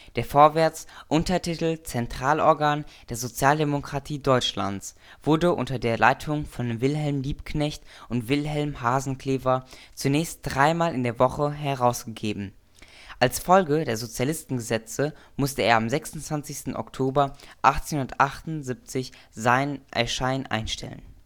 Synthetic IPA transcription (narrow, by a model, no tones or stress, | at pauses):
d̥eːɐfoːɐvɛɐt͡sʔʊntɐtʰitl̩t͡sɛntʁ̥aːlɔɐɡaːnd̥eːɐzot͡sjaːldemokʁ̥atʰiːdɔʏt͡ʃla̰nt͡s | v̥ʊɐdəʔʊ̰ntɐdeːɐlaɪtʰʊŋfɔnvɪlɦɛlmliːpknɛçtʔʊntv̥ɪlɦɛlmhaːzn̩kʰl̥eːvɐt͡sunɛːçst̚d̥ʁaɪmaːlɪndeːɐvɔχəɦɛʁaʊsɡ̥əɡeːbm̩ | ʔalsfɔlɡədeːɐzot͡sjalɪstn̩ɡəzɛt͡sə | mʊstəeːɐamzɛksʊn̩tv̥ant͡sɪçstn̩ʔɔ̰ktʰoːbɐʔaχtt͡senhʊnɐtʔaχtʊnzɪp̚t͡sɪç | zaɪnʔɛ̰ɐʃaɪnʔa̰ɪnʃtʰɛ̰lə̰n